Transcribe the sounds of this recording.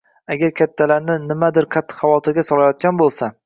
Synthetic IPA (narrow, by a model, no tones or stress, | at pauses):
aɡʲaɾkʲʰat̪ʰːalaɾnɪnɪmad̪ɪɾkʰat̪ʰːɪ̥χɑvɒt̪ʰɪɾɡʲasɒlˠajɒt̪̚ɡʲanbolˠsa